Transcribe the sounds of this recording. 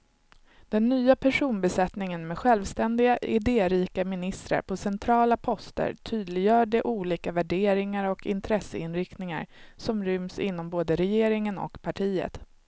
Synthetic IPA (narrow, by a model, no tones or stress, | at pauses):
d̪̥ɛnːyːapʰæʂuːnbɛsɛt̪nɪŋənmɛɧɛlvst̪ɛnd̪ɪɡaʔɪd̪eːɾiːkamɪnɪst̪ɾa̰ɾpʰɔsɛnt̪ʰɾɑːlapʰɔst̪ə̰ɾt̪ʰyːd̪lɪɡjœːɖɛʔuːliːkavæɖeːɾɪŋaɾɔkʰɪnt̪ʰɾɛsəɪnɾɪkt̪nɪŋa̰ɾsɔmɾʏmsɪ̰nːɔmboːd̪əɾɛjeːɾɪŋənɔ̰kpʰaʈʰiːə̰t̪